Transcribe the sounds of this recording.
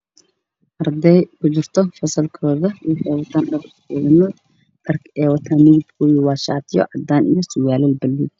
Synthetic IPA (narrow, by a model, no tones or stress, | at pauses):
ʔɐrd̪ɛjkʰʊt͡ʃɪrt̪ʰɔfɐsɐlkʰɔːðɐwiħɛwɐt̪ʰaːnɖɐɾkɛːðɐnɔ | ɗɐrkʰɛːwɐt̪ʰaːnːɪɣɪb̪kʰʊjɪwɑːʃa̰ːt̪ʰɪjɔ̰ʕɑd̪aːnʔḭjɔsʊwaːlɛlbɐlːi